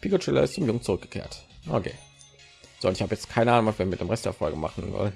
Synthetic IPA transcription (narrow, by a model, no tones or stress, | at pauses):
pʰiːkot͡ʃɪlɐ̰ɪstt͡sɪmjʊŋt͡sʊʁʏk̚ɡ̥ə̥kʰḛːɐtʔo̰kʰḛː | z̥oːʊntɪçhaːbəjɛt͡stkʰaɪnəʔaːnʊŋvasviɐviɪɐdeːmʁɛstd̥ḛːɐfɔlɡəma̰χn̩zɔ̰n